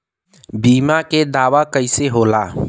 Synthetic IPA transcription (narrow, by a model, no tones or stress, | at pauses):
biːmaked̪aːʋakəɪseɦoːlaː